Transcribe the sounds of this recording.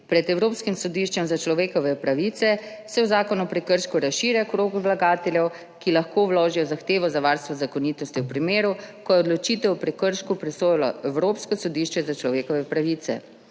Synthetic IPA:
pɾɛt̪ɛwɾoːpskimsɔd̪iʃt͡ʃɛmzat͡ʃlɔʋeːkɔʋɛpɾaʋit̪sɛ | sɛwzaːkɔnuɔpɾɛkəɾʃkuɾasʃiːɾjakɾoːɡuwlaɡaːt̪ɛljɛw | kilaxkowloːʒijɔzaxt̪eːʋɔzaʋaɾst̪ʋɔzakɔniːt̪ɔst̪iwpɾimeːɾukɔjɛɔd̪lɔt͡ʃiːt̪ɛwpɾɛkəɾʃkupɾɛsoːjlɔ̰ɛwɾoːpskɔsɔd̪iːʃt͡ʃɛzat͡ʃlɔʋeːkɔʋɛpɾaʋit̪sɛ̰

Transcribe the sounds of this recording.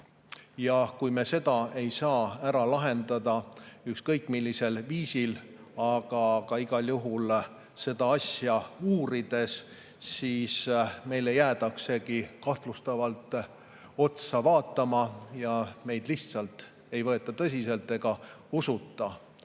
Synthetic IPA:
jɑkujme̞se̞d̪̥ɑe̞jsɑːæɾɑlɑɦe̞nd̪ɑd̪ɑykskɤjkːˑmilʲːise̞lviːsil | ɑɡ̥ɑkɑiɡ̥ɑljuɦul | se̞d̪ɑɑsjɑuːɾid̪̥e̞s | siːsme̞jle̞jæːt̪ɑkse̞ɡikɑht̪lust̪ɑvɑlt̪ːˑ | o̞t̪sɑvɑːt̪ˑːɑmɑjɑme̞jd̪̥liht̪sɑlt̪ˑ | e̞jvɤ̞e̞t̪ːˑɑt̪ɤs̬ʲise̞lt̪ːˑe̞ɡ̥ɑusut̪ːˑɑ

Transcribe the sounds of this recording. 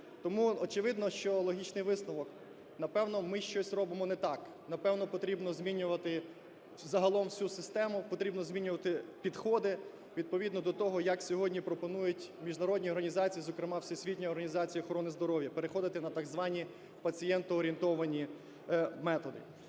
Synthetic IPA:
t̪ɔmuɔt͡ʃɪʋɪd̪nɔʃt͡ʃɔlˠɔɦʲit͡ʃnɪjʋɪsnɔʋɔk | nɐpɛwnɔmɪʃt͡ʃɔsʲrɔbɪmɔnɛt̪ɑk | nɐpɛwnɔpɔt̪ɾʲibnɔzʲmʲinʲːʊʋɐt̪ɪ | zɐɦɐlˠɔmwsʲusɪst̪ɛmʊpɔt̪ɾʲibnɔzʲmʲinʲʊʋɐt̪ɪpʲid̪xɔd̪ɪ | ʋʲid̪̚pɔʋʲid̪nɔd̪ɔt̪ɔɦɔjɐksʲɔɦɔdʲnʲipɾɔpɔnujʊtʲmʲiʒnɐɾɔdʲnʲiɔrɦɐnʲizɑt͡sʲijizɔkɾɪmɑwsʲisʲʋʲitʲnʲɔjɔrɦɐnʲizɑt͡sʲijɐxɔɾɔnɪzd̪ɔɾɔwjɐpeɾexɔd̪ɪt̪ɪnɐt̪ɐɡzʋɑnʲi | pɐt͡sʲijɛnt̪ɔːɾʲint̪ɔʋɐnʲi | mɛt̪ɔd̪ɪ̰

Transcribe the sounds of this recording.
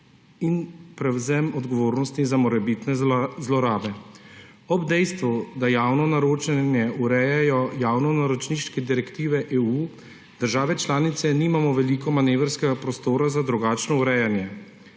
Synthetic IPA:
inpɾɛwzɛmɔd̪ɡɔʋoːɾnɔst̪izamɔɾɛbit̪nɛzlɔɾaːbɛ | ɔbd̪ɛjst̪ʋud̪ajaːwnɔnaɾoːt͡ʃɛnjɛuɾɛjɛjɔjaːwnɔnaɾɔt͡ʃniʃkɛd̪iɾɛkt̪iːʋɛʔeːuː | d̪̥əɾʒaːʋɛt͡ʃlaːnit̪sɛniːmamɔʋɛlikɔmaneːʋɾskɛɡapɾɔst̪oːɾazad̪ɾuɡaːt͡ʃnɔuɾɛjanjɛ

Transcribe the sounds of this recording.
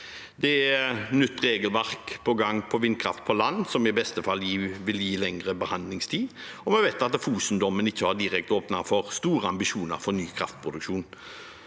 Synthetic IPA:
d̪ɛɛnʏt̪ːɾeːɡəlʋæʁkpʰɔɡɑŋːpʰɔʋɪnkʰɾɑ̰ft̪̚pʰɔlɑnːsɔmɪbɛst̪əfɑlːjiːʋɪljiːlɛŋɾəbəhɑnd̪lɪŋst̪ʰiːd | ɔmɛʋɛɪt̪ɑt̪fuːsənd̪ɔmənɪçːəhɑʁd̪ɪʁɛk̚t̪oːpnɑfɔʁst̪uːɾəɑmbɪʃuːnə̰ɾfɔɾnyːkʰɾɑ̰ft̪̚pʰʁʊd̪ʉkʃuːn

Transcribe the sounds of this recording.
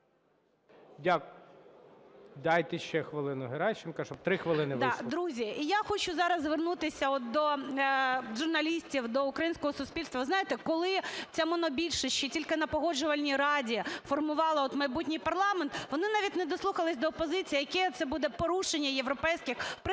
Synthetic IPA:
jak | d̪ɑjt̪ɛʃt͡ʃɛxʋɪlˠɪnʊɦeɾɑjʃt͡ʃɪnkɐʃɔb̚t̪ɾɪxʋɪlˠɪnɪʋ̪d̪ɾuzʲiijaxɔt͡ʃʊzɑɾɐzʋernut̪ɪsʲɐɔt̪̚d̪ɔ | ʒʊrnɐlʲisʲtʲiwd̪ɔʊkɾɐjinʲsʲkɔɦɔsʊspʲilʲst̪ʋɐʋɪznɑjet̪ɛkɔlˠɪt͡sʲamɔnɔbʲilʲʃɪsʲt͡ʃitʲilʲkɪnɐpɔɦɔd͡ʒʊʋɐlʲnʲiɾɑdʲiifɔrmʊʋɑlˠɐɔt̪mɐjbutʲnʲijpɐrlˠɑment̪ʋɔnɪnɑʋʲitʲnɛd̪ɔslˠuxɐlˠɪsʲd̪ɔːpɔzɪt͡sʲijijɐkɛt̪sɛbud̪ɛpɔɾuʂenʲːɐjeʋɾɔpɛjsʲkɪxpɪ

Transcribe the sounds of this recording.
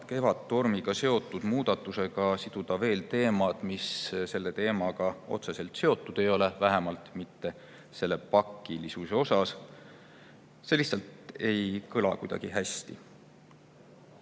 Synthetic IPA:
d̪ke̞vɑd̪̥t̪o̞rmiɡ̥ɑse̞o̞t̪ːˑud̪̥muːd̪̥ɑt̪ːˑuse̞ɡ̥ɑsid̪̥ud̪̥ɑve̞ːlt̪e̞ːmɑd̪̥misse̞lːe̞t̪e̞ːmɑɡ̥ɑo̞̰t̪se̞se̞lt̪se̞o̞t̪ːˑud̪̥e̞jo̞le̞væɦemɑlt̪mit̪ːe̞ | se̞lːe̞pɑkːˑilisuseo̞sɑs | seliçsɑlt̪e̞jkɯlɑ̰kujd̪̥ɑ̰ɡ̥iɦæst̪i

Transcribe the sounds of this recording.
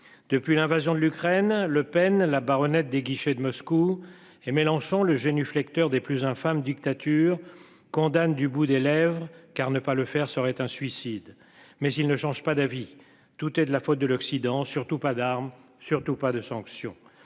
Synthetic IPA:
d̪̥əpɥilɛ̃vazjɔ̃d̪əlykχɛnləpɛnlabaʁɔnɛt̪̚d̪eɡʲiʃed̪əmɔsku | emelɑ̃ʃɑ̃ləʒenyflɛkt̪œʁd̪eplyzɛ̃famd̪ik̚t̪at̪ʰyʁ | kɔ̃d̪and̪ybud̪elɛvʁəkaʁnəpaləfɛʁsəʁɛt̪ɛ̃sɥisid̪ | mɛzilnəʃɑ̃ʒpad̪avi | t̪ut̪ɛd̪əlafot̪̚d̪əlɔksid̪ɑ̃syʁt̪upad̪aʁmsyʁt̪upad̪əsɑ̃ksjɔ̃

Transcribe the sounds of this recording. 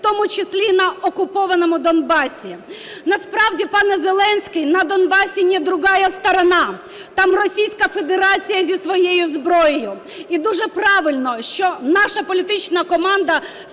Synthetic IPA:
t̪ɔmʊt͡ʃɪsʲlʲinɐɔkʊpɔʋɐnɔmʊd̪ɔnbɑsʲi | nɐspɾɑwdʲipɑnɛzelˠɛnsʲkɪjnɐd̪ɔnbɑsʲinʲɛd̪ɾʊɣɑjɐst̪ɐɾɐnɑ | t̪ɑmrɔsʲijsʲkɐfed̪eɾɑt͡sʲijɐzʲisʋɔjejʊzbɾɔjɪjʊ | id̪uʐɛpɾɑʋɪlʲnɔʃt͡ʃɔnɑʂɐpɔlʲit̪ɪt͡ʃnɐkɔmɑnd̪ɐ

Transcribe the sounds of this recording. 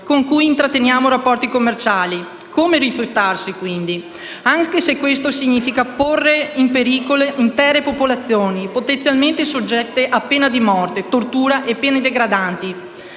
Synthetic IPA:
koŋkujint̪ɾat̪ːenjaːmoɾapːɔrt̪ikomːert͡ʃaːli | kʰomeɾifjut̪ːarsikwind̪i | aŋkesekːwest̪osiɲiːfikaporːeimpeɾiːkoleʔint̪ɛːɾepopolat̪sːjoːnipot̪ent̪jalment̪esod͡ʒːɛt̪ːeʔapːeːnad̪imɔrt̪et̪ort̪uːɾaʔepːeːned̪eɡɾad̪ant̪i

